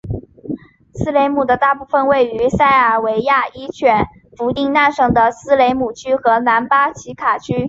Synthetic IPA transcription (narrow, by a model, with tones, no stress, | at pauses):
sɹ̩˥le˧˥ɪmu˨˩d̪ə˦t̪a˥˧pu˥˩fə˧nwe˥˩ɪy˧˥sa˥˩ɪə˞˨˩we˧˥ɪja˥˩i˥t͡ɕʰɥɛ˨˥˩n | fu˧˥t̪i˥˧ŋna˥˩nʂɤ˥˩ŋd̪ə˨˩sɹ̩˥le˧˥ɪmu˨˩t͡ɕʰy˥xɤ˧˥na˧˥npa˥t͡ɕʰi˧˥kʰa˨˩t͡ɕʰy˥